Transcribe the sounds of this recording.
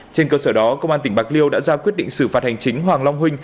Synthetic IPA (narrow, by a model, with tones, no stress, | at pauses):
t͡ɕe˧nkəː˧səː˧˩ɗɔ˨˦kə˧wŋ͡mʔaː˧nt̪ï˧˩ŋ̟ɓaː˨˩k̚li˧əwɗa̰ː˧˥zaː˧kwi˦˥ət̚ɗḭ˧˨ŋsɨ˧˩faː˨˩t̚ha˨˩ŋt͡ɕï˨˦ŋ̟ɦwaː˨˩ŋla˧wŋ͡mɦwï˧ŋ̟